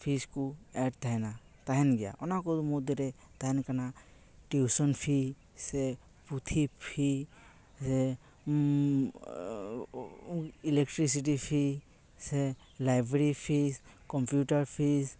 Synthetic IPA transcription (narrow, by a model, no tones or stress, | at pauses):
pʰiskuɛɖt̪ʰajna | t̪aɦɛnɡɛja̰ʔɔnakɔmud̪ɾɛ | t̪aɦɛnkana | ʈusɔnpʰi | sɛ | put̪ʰipʰi | sɛ | ilek̚ʈɾis̬iʈipʰi | sɛ | lajbɾeɾipʰiskɔmpjuʈaɾpʰis